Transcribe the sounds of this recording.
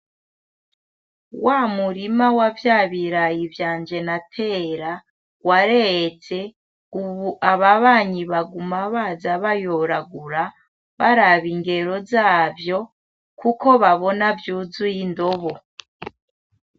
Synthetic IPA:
wamuɾimawavjaːβiɾajivjaːnd͡ʒe̞natʰe̞ɾa | waɾet͡se̞ | uβaβaβaːɲiβaɡumaβazaβajoɾaɡuɾa | βaɾaβiŋɡe̞ɾo̞zaːvjo̞ | kuko̞βaβo̞navjuzujindo̞βo

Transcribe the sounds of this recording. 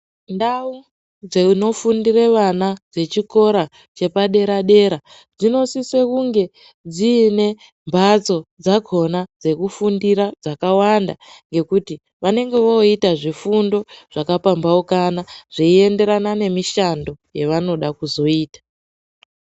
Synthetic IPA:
ndau | d͡zeno̞fundireʋanad͡ze̞t͡ʃiko̞ɾa | t͡ʃe̞paɗe̞ɾaɗe̞ɾa | d͡zino̞siswekuŋɡe̞ | d͡ziːne̞ | mbʱat͡so̞d͡zaɡʱo̞nad͡ze̞kufundiɾad͡zakawanda̰ŋɡe̞kuti | ʋane̞ŋɡe̞ʋo̞itaʐifundo̞ʐ̥akapambaokanaʐ̥iie̞nde̞ɾanane̞miʃando̞jeʋano̞ɗakuzo̞iːtḁ

